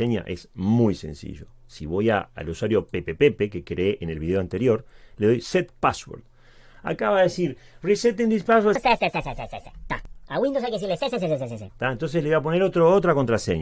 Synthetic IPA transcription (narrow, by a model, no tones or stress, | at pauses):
eɲa̰ʔḛsmujse̞̰nsḭʒo̞siβojaa̰luswaɾjo̞pepepepekekɾeeʔenelβiðeoant̪e̞ɾjo̞ɾleðo̞jset̪̚paswo̰ɾd̪ | a̰kaβaðeesiɾ | riset̪end̪ispasweeseseseseseset̪aaɣwĩnd̪os̬ajkesiɾleseseseses̬eseset̪aent̪o̞ns̬esleap̬o̞neɾot̪ɾoot̪ɾako̞nt̪ɾasḛɲ